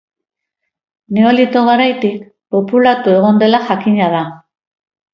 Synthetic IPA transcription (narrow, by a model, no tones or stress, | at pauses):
neo̞lit̪o̞ɣaɾajt̪ik | po̞pulat̪ue̞ɣ̞ond̪e̞laxakiɲaða